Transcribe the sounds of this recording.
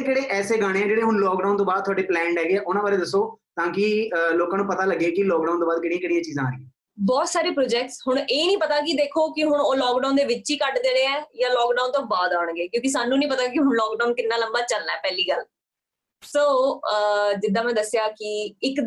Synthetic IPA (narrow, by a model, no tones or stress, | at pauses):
keːɽeːʔɛːseːɡaːɽ̃ẽːɛ̃ːd͡ʒeːɽeːɦʊɳlɔːk̚ɖaːnt̪õːbaːd̪̚t̪ʰʊaːɖeːplɛ̃ːɳɖɦɛːɡeɛːʔʊnãʋaːɾeːd̪əsːoːt̪ãːkɪloːkãːnũːpət̪aːləɡːeːkɪlɔːk̚ɖaːnt̪oːbaːd̪̚kɪɽĩãkɪɽ̃ijãːt͡ʃiːzãːẽː | bɔːt̪saːɾiːpɾoːd͡ʒɛːk̚ʈsɦʊɽ̃eːnĩːpət̪aːk̬ɪd̪eːkʰoːkɪɦʊɳ̃oːlɔːkɖaːnd̪eːʋɪt͡ʃːt͡ʃiːkəʈd̪eːɽeːɛːjãːlɔːkɖaːnt̪õːbaːd̪aːɳɡeːkjõːkɪs̬aːnũːnĩːpət̪aːk̬ɪɦʊnlɔːkɖaːnkɪnːãːləmbaːt͡ʃəlnaɛːpɛːliːɡəl | soː | d͡ʒɪd̪ãːmɛ̃ːd̪əsːɪjaːkɪɪk̪